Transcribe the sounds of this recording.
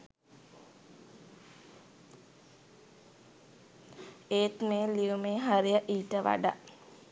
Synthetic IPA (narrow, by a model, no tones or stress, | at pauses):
eːt̪meːliumeːɦaɾijəʔiːʈəʋa̰ɖa̰